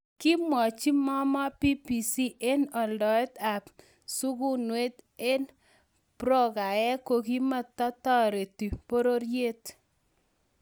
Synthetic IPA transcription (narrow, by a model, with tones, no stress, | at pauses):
ki˦mwɔ˨t͡ʃi˦mɔ˦mɔ˦pi˦pi˨si˦ʔe˦nɔ˨ldɔ˨ɛ˦t̪a˨ | su˦ɡu˦nwe˦t̪e˦n | pɾɔ˦ɡa˨ɛ˦ko˨ki˦ma˨tɔ˦tɔ˦ɾe˨ti˨po˦ɾo˦ɾje˦t̪